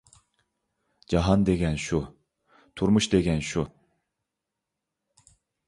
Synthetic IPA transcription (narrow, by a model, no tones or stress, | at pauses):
d͡ʒɑɦɑnd̪eɡʲɛnʃu | t̪ʰuɾmuʃd̪eɡʲɛnʃu